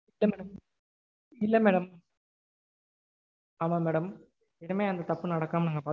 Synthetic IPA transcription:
ɪlːɐmɛɽɐm | ɪlːɐmeːɽɐm | amaːmeːɽɐm | ɛɽɯmeːɐnd̪ɐt̪ɐpːɯnɐɽɐkːaːmnaːŋɡɐpaːɾ

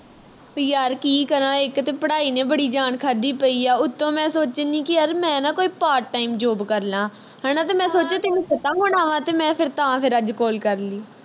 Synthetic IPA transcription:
jaːɾkiːkəɾãːɪkt̪eːpəɽaːiːnẽːbəɽiːd͡ʒaːɳkʰaːd̪iːpəiːaːʊt̪ːõːmɛ̃ːsoːt͡ʃenĩːkɪəɾmɛ̃ːnãːkoːiːpaːɾʈːaːiːmd͡ʒoːbkəɾlãː | ɦɛːnãːt̪eːmɛ̃ːsoːt͡ʃeːt̪enũːpət̪ãːɦoːɳaːʋãːt̪eːmɛ̃ːpʰɪɾt̪əãːpʰɪɾəd͡ʒkoːlkəɾliː

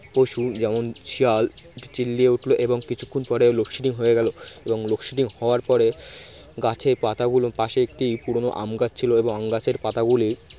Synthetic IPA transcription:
poʃud͡ʑɛmont͡ɕʰialʈt͡ɕilːieuʈʰloʔeboŋkit͡ɕʰu̥kʰːunpɔɾelokʃiʈiŋɦoeɡɛloeboŋlokʃiʈiŋhɔoaɾpɔɾe | ɡat͡ɕʰeɾpat̪aɡulopaʃeek̚ʈijpuɾono̰ʔa̰mɡat͡ɕt͡ɕʰiloeboŋamɡat͡ɕʰeɾpat̪aɡuli

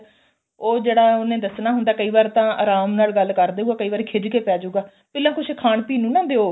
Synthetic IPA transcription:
oːd͡ʒeːɽaːʊnẽːd̪əsnaːɦʊnd̪aːkəiːʋaːɾt̪ãːa̰ːɾaːmnaːlɡəlkəɾd̪eːuaːkəiːʋaːɾeːkʰed͡ʒkeːpɛːd͡ʒuːɡaː | pɪːlãːkʊt͡ʃʰekʰaːɳpiːnũːnãːd̪eːoː

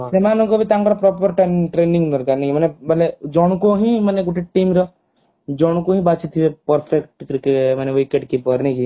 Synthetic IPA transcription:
semaːnukobʱit̪ãːŋkɐɾpɾɔːp̬əɾʈeʈɾeːnɪ̃ŋɡnəɾkɐɾnekimɐnebɐled͡ʒɔːɽ̃koɦĩmɐneɡʊʈeʈʈːiːmɾɐ | d͡ʒɔːɽ̃koɦĩbaːt͡ʃit̪ʰːiepəɾpʰekʈkɾikemɛneʋikeʈ̚kipəɾneki

